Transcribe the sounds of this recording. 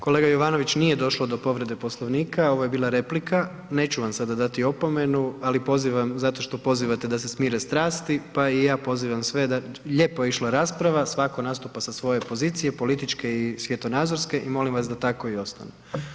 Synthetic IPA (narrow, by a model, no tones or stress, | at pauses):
ko̞le̞ɡajo̞ʋano̞ʋit͡ɕnije̞d̪o̞ʃlˠod̪o̞po̞ʋɾe̞d̪e̞po̞slˠoʋniːkʰao̞ʋoje̞biːlˠaɾe̞plikʰa | ne̞ːt͡ɕuʋamsad̪ad̪at̪io̞po̞me̞nualipo̞ziʋamzat̪o̞ʃt̪o̞po̞ziʋat̪e̞d̪asesmiːɾest̪ɾaːst̪ipaijaːpo̞ziʋamsʋe̞d̪aʎe̞ːpojeiʃlˠaɾaːspɾaʋasʋako̞nast̪upasasʋo̞je̞po̞ziːt̪sije̞po̞lit̪it͡ʃke̞isʋje̞t̪o̞naːd̪zo̞ɾske̞ʔimo̞limʋasd̪at̪ako̞io̞st̪a̰ne